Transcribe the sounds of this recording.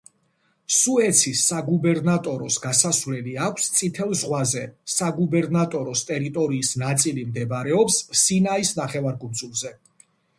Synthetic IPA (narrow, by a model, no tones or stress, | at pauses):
suɛt̪sʰisaɡubɛɾnat̪ʼɔɾɔsɡasasvlɛliakʰst̪sʼit̪ʰɛlˠzʁwazɛsaɡubɛɾnat̪ʼɔɾɔst̪ʼɛɾit̪ʼɔɾiːsnat̪sʼilimd̪ɛbaɾɛɔpssinaisnaχɛvaɾkʼund̪zulˠzɛ